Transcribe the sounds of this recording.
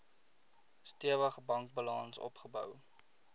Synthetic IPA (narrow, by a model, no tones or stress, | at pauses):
stiəvəχbɐŋk̚bəlɑnsɔ̰pχəbœ̰w